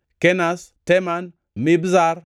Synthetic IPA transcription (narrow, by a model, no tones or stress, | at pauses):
kenasteman | mibzaɾ